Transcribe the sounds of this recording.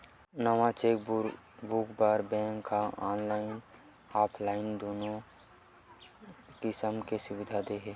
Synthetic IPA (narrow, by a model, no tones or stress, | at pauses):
naʋãt͡ʃeːkbukbaːɾbɛ̃ːŋkʰːaaːnlaːɪn | aːpʰlaːɪnd̪oːnõ | kɪsəmkesʊwɪd̪ʱad̪eɦɛː